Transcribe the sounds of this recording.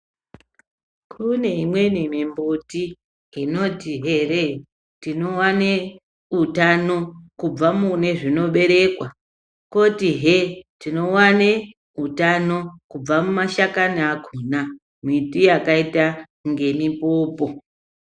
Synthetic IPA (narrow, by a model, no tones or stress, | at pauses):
kʰune̞imwe̞nimimbuti | ɦino̞tiɦeɾe | tino̞wane | utano̞kub͡vamune̞ʐino̞ɓe̞ɾe̞kwa | ko̞tiɦetino̞wane | ɦutano̞kub͡vamumaʃakaniakʰuna | mitijakaita | ŋɡe̞mipoːpo̞